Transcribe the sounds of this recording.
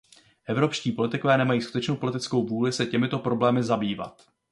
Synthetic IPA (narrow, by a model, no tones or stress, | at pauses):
ʔɛvɾo̞pʃciːpo̞lɪt̪ɪkovɛːnɛmajiːsku̥t̪ɛt͡ʃnowpo̞lɪt̪ɪt͡sko̞wvuːlɪsɛcɛmɪt̪o̞pɾo̞blɛːmɪzabiːva̰t̪